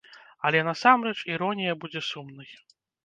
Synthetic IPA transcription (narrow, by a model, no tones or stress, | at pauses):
ɐlʲɛnasamɾɛt͡ʂiɾɔnʲijɐbud͡zʲɛsumnɨj